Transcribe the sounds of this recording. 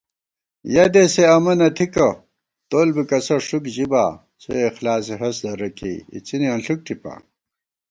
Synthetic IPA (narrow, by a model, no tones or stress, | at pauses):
jɐd̪eseɐmɐnɐt̪ʰikɐ | t̪oːlbikɐsɐʂukʑibaː | t͡sʰoexlaːs̬iɦɐsd̪ɐɾɐkḛḭt͡siniɐnɬuk̚ʈʰipa̰